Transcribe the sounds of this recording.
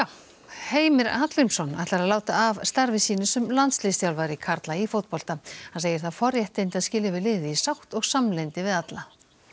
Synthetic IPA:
jaw | heːjmɪɾat̪lɪmsɔna̰ht̪aɾaðlaːwt̪aːvst̪aɾvɪsiːnʏsʏmlant̪slist̪jawlvaɾɪkʰaɾt̪laifowt̪̚pɔl̥t̪ahanseːjɪ̥ɾ̥θaðfɔɾjɛht̪ejnt̪ɪaðscɪːljɪvɪðlɪːðɪisawht̪ɔɣsamlejnt̪ɪvɪðat̪la

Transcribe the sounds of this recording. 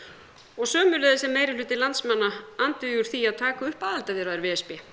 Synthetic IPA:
ɔɣsœːmʏlɛːðɪsɛmːeːjɾɪlʏːt̪ɪlant̪smanːaant̪ʏjuɾ̥θiaðt̪ʰaːkaʏhpaːðalt̪avɪɾaðɪɾvɛːɛspɛ

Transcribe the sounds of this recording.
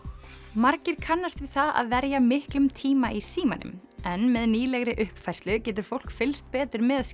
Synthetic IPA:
maɾcɪɾ̥kʰanːast̪vɪð̥θaða̰ðvɛɾjamɪhklʏmt̪ʰiːmaisiːmanʏ̰m | ɛnmɛðniːlɛɣɾɪʔʏhpfajst̪lʏcɛːt̪ʏɾ̥fowl̥kfɪlst̪̚pɛːt̪ʏɾmɛðas

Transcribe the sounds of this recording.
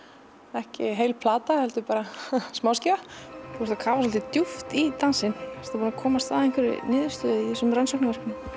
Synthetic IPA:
ɛhcɪɦejlpʰlaːt̪ahɛlt̪ʏpaːɾasmaːwscɪvaθust̪akʰaːvas̬vɔlt̪ɪt̪juft̪it̪ansɪnɛ̥st̪apaːnakʰɔːmast̪θa̰ːðejŋkvɪɾɪ̰nɪːðʏst̪œːðɪiɛsmransɔwknavɛɾ̥kʏn

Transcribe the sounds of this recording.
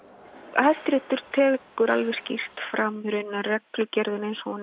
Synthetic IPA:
ajst̪ɾɪht̪ʏɾ̥t̪ʰɛːkʏɾa̰lvɛ̥scir̥t̪fɾamɾʏnːarɛklʏcɛɾðʏnejnsɔn

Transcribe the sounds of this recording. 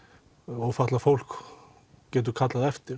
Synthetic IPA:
ɔɣfat̪lafowl̥k | cɛːt̪̬ʏkʰat̪laðɛft̪ɪɾ

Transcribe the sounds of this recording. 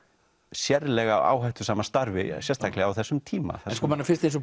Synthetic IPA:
sjɛɾlɛɣava̰ːwɦajht̪ʏ̥saːmast̪aɾvɪsjɛst̪ʰajklɪawθɛsːʏmt̪ʰiːma̰θɛskɔmanaɾfɪn̥st̪ẽjns̬ɔ

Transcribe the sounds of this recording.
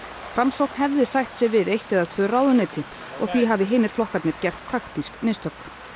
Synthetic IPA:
fɾamsowknɦɛvðɪsajht̪sɛvɪðejht̪ɛðat̪ʰvœːraːwðʏneːt̪ɪ | ɔ̰ɣθviɦaːvɪɦeːjnɪɾ̥flɔhkat̪nɪɾ̥cɛr̥t̪ʰːaxt̪isknɪːst̪œk

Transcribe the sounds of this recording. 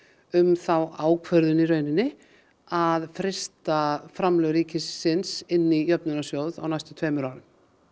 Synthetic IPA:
ʏmθawaːwkʰvœɾðʏniɾœːɥnɪnːɪ | aðfɾɪst̪afɾamlœɣɾiːcɪsːɪnsɪnːijœpnʏnasjoːwða̰wnajst̪ʏ̥t̪ʰveːmʏɾawɾɪm

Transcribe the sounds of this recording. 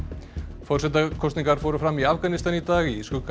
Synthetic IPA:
fɔɾ̥sɛt̪akʰɔwst̪niŋkaɾ̥fowɾʏfɾamːiafkanist̪anit̪aːɣiiskʏk

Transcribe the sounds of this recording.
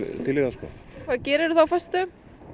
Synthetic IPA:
t̪ʰɪlːiðaskɔ̰kʰvaːðcɛːɾɪɾθawfœst̪ʏ

